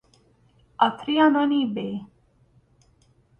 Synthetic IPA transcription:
at̪ʰɾianɔnibe

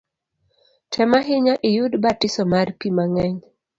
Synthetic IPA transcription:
tʰɛmaɦɪɲaʔɪjʊdbatɪsɔmarpimaŋɛɲ

